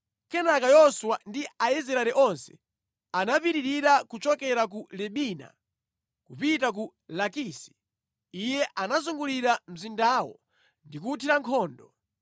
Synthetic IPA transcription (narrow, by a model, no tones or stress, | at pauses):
kɛnakajɔswandiaɛzɛɾaɾɛʔɔnsɛ̥ | anapiɾiɾiɾakut͡ʃɔkɛɾak̬ulɛɓiːna̰ | kupitak̬u | lakiːsi̥ | ijɛʔanazuŋɡuliɾam̩zindaːwɔ̰ | ndikutʰiɾaŋkʰɔːndɔ